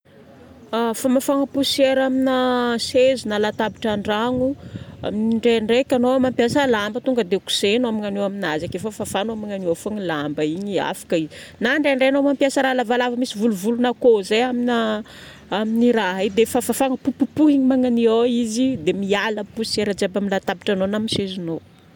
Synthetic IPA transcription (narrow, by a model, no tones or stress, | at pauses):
afamafaŋəpuseɾaminəsezinalat̪abiʈ͡ʂaɳɖ͡ʐaŋua̰miniɳɖ͡ʐeɳɖ͡ʐekʲanomampiasəlambət̪uŋɡəd̪eku̥senoamaŋaneaminazakefəfafanomaŋaniofaŋilambəiɲia̰fḁkəizi | naɳɖ͡ʐeaɳɖ͡ʐeanomampiasəɾalavalavəmisivuluvulunakozeamina | aminiɾaɦid̪efafafaŋəpupupuɦiɲimaŋanioizid̪emialəpusseɾad͡ʒabamilat̪abi̥ʈ͡ʂanonamisezuno